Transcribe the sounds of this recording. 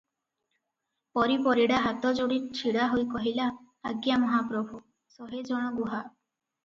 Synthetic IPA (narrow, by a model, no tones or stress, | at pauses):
pɔɾipɔɾiɽaɦat̪ɔd͡ʒoɽiɾt͡ʃʰiɽaɦojkɔɦilaː | ɡjamɔɦapɾɔbʱu | sɔɦed͡ʒɔɽ̃ɔɡuɦa